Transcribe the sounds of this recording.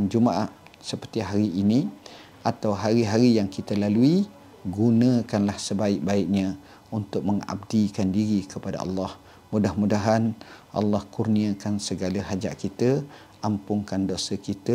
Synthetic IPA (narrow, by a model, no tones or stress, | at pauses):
nd͡ʒumaʔaʔ | səpərt̪iɦaɾiːnĩ | ʔat̪awɦaɾiɦaɾijaŋkit̪əlalui | ɡunə̃kanlahsəbaɪk̚baɪʔ̚ɲã | unt̪ʊk̚məŋa̰b̚dikandiɾikəpada̰ɑ̰lːɑh | mudahmudaɦanʔɑ̰lːɑhkurniəkansəɡalaɦad͡ʒa̰ʔkit̪ə | ʔampʊŋkandosəkit̪ə